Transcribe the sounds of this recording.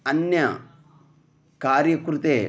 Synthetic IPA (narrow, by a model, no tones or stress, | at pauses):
ɐnːjɐ | kaːɾjɐkɾut̪eː